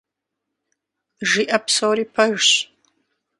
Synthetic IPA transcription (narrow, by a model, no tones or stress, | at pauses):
ʒiːʔɐpsowɾiːpʰɐʒɕ